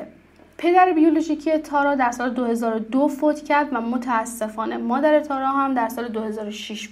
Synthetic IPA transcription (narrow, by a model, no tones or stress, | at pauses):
pʰe̞d̪æɾebijoloʒicʰiet̪ʰɒːɾɒːd̪æɾsɒːled̪ohe̞zɒːɾod̪ofoːt̪ʰcʰæɾd̪væmot̪ʰæːsːe̞fɒːne̞mɒːd̪æɾet̪ʰɒːɾɒːɦæmd̪æɾsɒːle̞d̪ohe̞zɒːɾoʃiʃ